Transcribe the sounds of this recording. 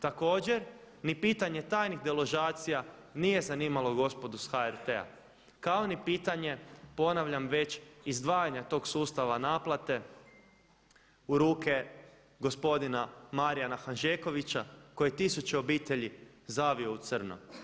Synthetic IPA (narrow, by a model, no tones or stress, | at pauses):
t̪ako̞ːd͡ʑe̞ɾ | nipiːt̪aɲe̞t̪aːjnixd̪elo̞ʒaːt̪sija | niːje̞zaniːmalo̞ɡo̞spo̞d̪usxaeɾt̪e̞a̰ | kao̞nipiːt̪aɲe̞po̞naʋʎamʋe̞t͡ɕizd̪ʋaːjaɲat̪o̞ːɡsuːst̪aʋanaːplˠat̪e̞ | uɾuːke̞ | ɡo̞spo̞d̪inamaɾijanaxanʒeːko̞ʋit͡ɕakojet̪isut͡ɕeo̞biːt̪e̞ʎi | zaʋio̞ut̪sr̩no̰